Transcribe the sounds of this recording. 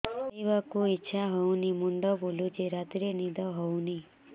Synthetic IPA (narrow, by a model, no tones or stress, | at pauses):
ejbakuitːʃʰaɦownimuɳɖɔbolud͡ʒeɾat̪iɾenid̪ʱɔɦowni